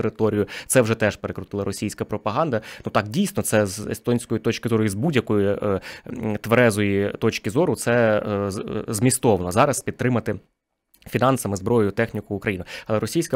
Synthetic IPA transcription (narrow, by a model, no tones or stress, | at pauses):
eɾɪt̪ɔɾʲijʊt̪sɛwʒɛt̪ɛʃpeɾekɾʊt̪ɪlˠɐɾɔsʲijsʲkɐpɾɔpɐɦɑnd̪ɐnut̪ɑkdʲijsʲnɔt̪sɛzḛst̪ɔnʲsʲkɔjit̪ɔt͡ʃkʲɪzɔɾʊizbudʲjɐkɔji | t̪ʋeɾɛzɔjit̪ɔt͡ʃkɪzɔɾʊt̪sɛ | zmʲist̪ɔʋɐnɔzɑɾɐspʲid̪̚t̪ɾɪmɐt̪ɪ | fʲinɑnsɐmɪzbɾɔjʊjʊt̪ɛxnʲikʊːkɾɐjinɪɐlˠɛɾɔsʲijsʲkɐ